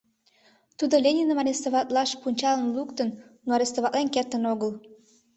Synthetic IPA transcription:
t̪ud̪olʲenʲinəmɑɾʲest̪oβɑt̪lɑʃpunʲt͡ɕɑlənlukt̪ənnoɑɾʲest̪oβɑt̪ʔ̪lenkert̪ənoɣəl

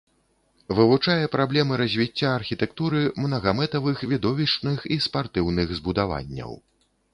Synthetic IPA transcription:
vɨvut͡ʂajɛpɾablʲɛmɨɾɐzʲvʲit͡sʲːaːrxʲit̪ɛkt̪uɾɨmnɐɣamɛt̪ɐvɨxvʲid̪ɔvʲiʂnɨxispart̪ɨwnɨɣzbud̪ava̰nʲːɐ̰w

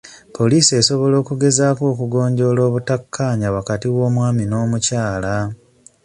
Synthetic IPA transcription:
pʰo̞liːsie̞so̞βo̞lo̞ːkuɡe̞zaːko̞ːkuɡo̞ːɲɟo̞ːlo̞ːβutakʰːaːɲawakatiwo̞ːmwaːmino̞ːmucaːla

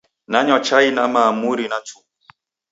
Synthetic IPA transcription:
naɲɔt͡ʃainamamuɾinatʰu

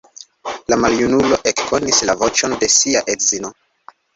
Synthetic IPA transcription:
lamaljunulo̞ʔe̞kkʰo̞nislavo̞t͡ʃo̞nde̞siaʔetzino̞

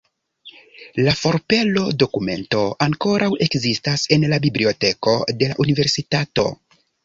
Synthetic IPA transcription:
lafo̞ɾpe̞lo̞do̞kume̞̰nto̞ʔaŋko̞ɾʔawe̞kzistase̞nlabiblio̞te̞ko̞de̞la̰ʔunive̞ɾsitato̞̰

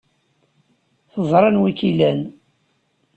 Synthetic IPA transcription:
θəzˤɾˤɑnwikilæn

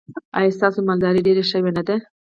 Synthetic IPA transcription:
a̰jst̪ɑsomald̪ɑɾeɖeɾeʃəwenad̪e

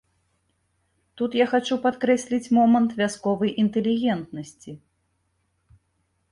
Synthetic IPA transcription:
t̪ut̪jaxat͡ʂupat̪kɾɛsʲlʲit͡sʲmɔmɐnt̪vʲaskɔvɐjʔint̪ɛlʲiɣʲɛnt̪nɐsʲt͡sʲi

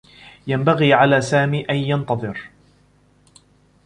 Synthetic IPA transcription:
jambaɣiːʕalaːsaːmiːʔanjɑnt̪ɑðˤɨɾ

